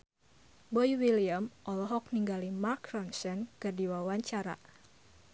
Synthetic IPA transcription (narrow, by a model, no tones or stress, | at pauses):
bɔjwiliamʔɔlɔɦɔk̚niŋɡalimarkɾɔnsɛnkɨrdiwawaɲt͡ʃaɾa̰